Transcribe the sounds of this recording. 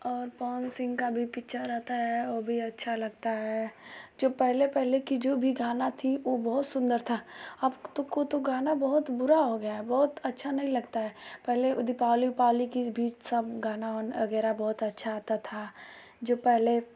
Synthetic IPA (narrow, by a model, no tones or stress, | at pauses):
ɔːɾpɔːnsɪ̃ŋɡkabʱipɪkʃʰaɾɛɦt̪aɦɛʋoːbʱiɐtːʃʰalɐɡt̪aɦɛd͡ʒoːpɛɦlepɛɦlekid͡ʒoːbʱiɡaːnat̪ʰiʋobɔɦʊt̪sʊ̃nd̪əɾt̪ʰaɐbt̪okot̪oɡaːnabɔɦʊt̪bʊɾaɦoɡɐjaɦɛbɔːʊt̪ɐtːʃʰanɐɦĩlɐɡt̪aɦɛpɛɦleʔʊd̪ipaːlipaːlikibʱiːt͡ʃsɐbɡaːnaɔːʋɐɡɛːɾabɔɦʊt̪ɐtːʃʰaːt̪at̪ʰa | d͡ʒoːpɛɦle